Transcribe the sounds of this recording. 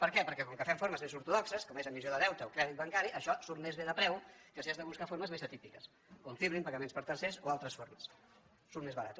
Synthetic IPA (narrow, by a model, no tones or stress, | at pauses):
pəɾkɛpəɾkɛkɔŋkəfɛmfoɾməzmezuɾt̪uðɔksəskɔmezəmːizjoðəðɛwt̪əokɾɛðit̪̚bəŋkaɾiʔəʃɔsuɾmezβeðəpɾɛwkəseəzðəβuskafoɾməzmezət̪ipikəs | oɱfiβɾimpəɣəmenspəɾt̪ənsesoalˠt̪ɾəsfoɾməsː | uɾt̪mezβəɾat̪u